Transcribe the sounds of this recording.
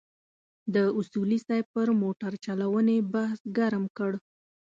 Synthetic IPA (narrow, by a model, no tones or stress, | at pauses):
d̪əʊsulisajpəɾmoʈaɾt͡ʃalawənebahsɡaɾmkəɽ